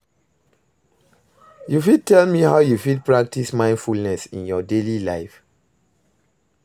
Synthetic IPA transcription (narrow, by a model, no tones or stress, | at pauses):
jufid̚tʰɛlmihaʊjufid̚pɹak̚tismãɪ̃ndfulnɛsḭ̃njɔdelilaɪf